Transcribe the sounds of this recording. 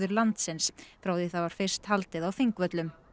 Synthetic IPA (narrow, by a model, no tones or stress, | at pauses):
ðʏɾlant̪sɪnsfɾaːwðɪθawvaɾ̥fɪr̥st̪halt̪ɪðawfiŋkvœt̪lʏm